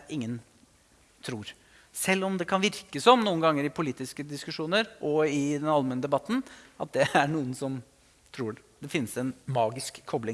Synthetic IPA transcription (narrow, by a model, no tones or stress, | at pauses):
ʔɪŋːən | t̪ʰɾuːɾ | sɛlːɔmd̪ɛkʰɑnʋɪɾkəsɔmnuːənɡɑŋːəɾɪpʰʊliːt̪ɪskəd̪ɪskʉʂuːnəɾʔɔɪd̪ɛnɑlmɛnəd̪ɛbɑt̪ːn̩ɑt̪̚d̪ɛæɳuːənsɔm | t̪ʰɾuː | d̪ɛfɪnːəsɛnmɑːɡɪskʰːɔblɪŋ